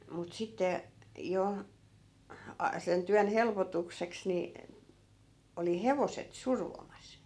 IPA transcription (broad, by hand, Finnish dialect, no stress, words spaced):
mut sitːe jo ɑ sen tyæn helpotukseks ni oli heʋoset surʋomɑs